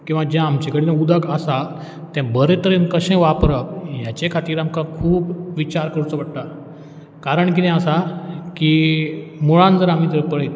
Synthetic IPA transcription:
kĩw̃ʋad͡ʑãamt͡ɕekəɽinãud̪əɡəsa | t̪jãbəɾet̪əɾenkəɕẽʋapɾəp̚jat͡ɕekʰat̪iːɾamkãkʰuːpʋit͡ɕaɾkəɾut͡səʋəɽʈ̪a | kaɾəɳk̬inɛ̃əsaki | muɭãnd͡zəɾam̤it̪əɾpəɭet̪

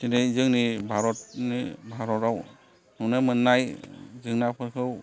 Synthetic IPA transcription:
kinɯzɯŋnibʱaɾɔtnibʱaɾɔtaw | nɔnamɯnːajzɯŋnapʰɯɾkʰɯw

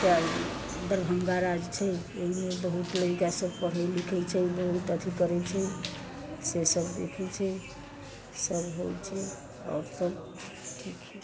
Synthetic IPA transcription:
ka | d̪əɾbʱəŋɡaɾad͡ʒt͡ʃʰɛ | oɦimebəɦut̪ləikasəbpəɽ̤əjlikʰɛt͡ʃʰɛbəɦut̪ət̪ʰikəɾɛt͡ʃʰɛ | sesəbd̪ḛkʰɛt͡ʃʰɛ | səbɦojt͡ʃʰɛ | ɔ̰ɾsəb | ʈʰikt͡ʃʰɛ

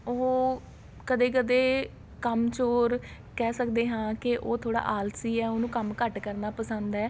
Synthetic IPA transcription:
oː | kəd̪eːk̬əd̪eː | kəmt͡ʃoːɾ | kɛːsəkd̪eːɦãːkɪʔoːt̪ʰoːɽa̰ːʔaːlsiːɛːonũːkəmkəʈkəɾnaːpəsə̃nd̪ɛː

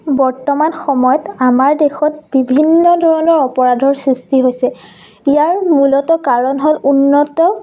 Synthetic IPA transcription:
bɔɹtɔmanxɔmɔjɔtamaɹdexɔt̚b̥ibʱinːɔdʱɔɹɔnɔɹɔpɔɹadʱɔɹsɹistiɦojsɛ | ijaɹmulɔtɔkaɹɔnɦolunːɔtɔ

